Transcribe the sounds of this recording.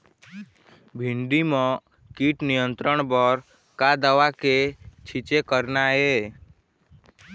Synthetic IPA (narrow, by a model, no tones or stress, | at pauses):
bʱiɳɖimɔ̃ | kiʈnijənt̪ɾəɳ̃bɔɾ | kad̪əʋaket͡ʃʰit͡ʃekəɾnaɦe